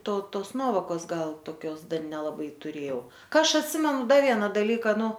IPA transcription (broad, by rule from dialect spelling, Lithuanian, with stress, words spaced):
ˈtoː ˈtoːs ˈnuɔʋoːkoːs ˈɡɐlˠ toːˈkʲoːs ˈdɐr nʲɛlˠɐˈbɐɪ tʊˈrʲeːjɛʊ ˈkɐ ˈɐʃ ɐtʲˈsʲɪmʲɛnʊ ˈdɐ ˈʋʲiɛnɐ dɐlʲˈiːkɐ ˈnʊ